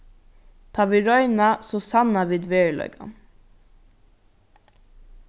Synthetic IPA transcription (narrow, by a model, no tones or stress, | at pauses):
t̪ʰɑːʋiɹɔʏnɑsoːsɑnɑʋiːd̪ʋeːɭœ̰ʏɡɑ̰n